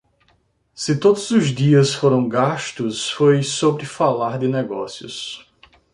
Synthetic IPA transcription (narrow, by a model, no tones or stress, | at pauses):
sɪt̪od̪ʊzʊzd̪iɐsfoɾɐ̃w̃ɡaʃt̪ʊsfojsobɾɪfalaɾd̪ɪnɛɡɔsjʊ̰s